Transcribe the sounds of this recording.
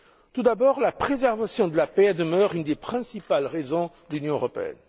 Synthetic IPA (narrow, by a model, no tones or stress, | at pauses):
t̪ud̪abɔʁlapχezɛʁvasjɔ̃d̪əlapɛad̪əmœʁynd̪epχɛ̃sipalʁezɔ̃d̪əlynjɔ̃øʁɔpḛɛ̰n